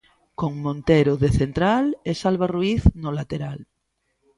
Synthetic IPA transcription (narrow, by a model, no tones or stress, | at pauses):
koŋmõnt̪eɾʊðeθent̪ɾalesalβaruiθnolat̪eɾal